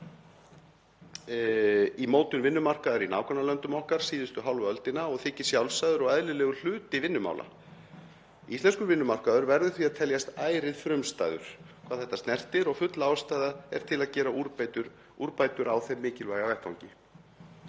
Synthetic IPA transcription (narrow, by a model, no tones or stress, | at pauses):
imoːwt̪ʏnvɪnːʏmar̥kaðɛɾinaːwkʰɔnalœnt̪ʏmɔhkaɾ̥siːðʏst̪ʏɦawlvœlt̪ɪnaɔɣθɪcːɪ̥sjawlsajðʏɾɔɣaðlɪlɛːɣʏl̥ʏːt̪ɪvɪnːʏma̰wla̰ | ist̪ɛnskʏɾvɪnːʏmar̥kaðʏɾvɛɾðʏθviaðt̪ʰɛljast̪aːjɾɪðfɾʏmst̪a̰jðʏ̰ɾ̥kʰvaːðθɛht̪ːast̪nɛr̥t̪ɪɾɔɣfʏt̪laːwst̪aːjðaɛɾ̥t̪ʰɪlaðcɛːɾauɾpt̪ʏɾ | uɾpajt̪ʏɾawθejmːɪːcɪlvaːjɣavɛjht̪awɲcɪ